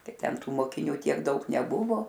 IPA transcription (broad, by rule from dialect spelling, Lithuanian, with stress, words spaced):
ˈtɐɪ ˈtʲɛn ˈtuː moːkʲɪˈnʲʊ tʲiɛk ˈdɐʊk nʲɛˈbʊʋoː